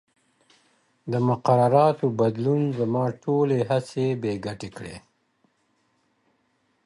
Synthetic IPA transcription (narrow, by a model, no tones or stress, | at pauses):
d̪əmʊqaɾaɾɑt̪obad̪lunzəmɑːʈʰoleɦasebeɡaʈekɽḛ